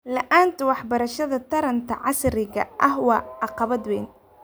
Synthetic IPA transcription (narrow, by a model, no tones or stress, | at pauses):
lɐʔaːnt̪ʰɐwɑħbɐɾɐʃɐðɐt̪ʰɐɾɐnt̪ʰɐ̰ʕɑsɾɪɣɐ̰ʔɐhwɑːɑqɑβɐd̪wɛːn